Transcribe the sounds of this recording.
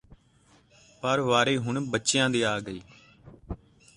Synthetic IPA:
pəɾʋaːɾeːɦʊɳbətːʃɪjãːd̪iːaːɡəiː

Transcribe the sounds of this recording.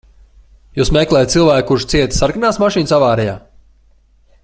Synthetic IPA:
juːsmeklˠɛːjt̪silˠvæːk̚kːuɾʃt̪siɛt̪saɾkanaːsmaʃiːnsavaːɾɛja̰ː

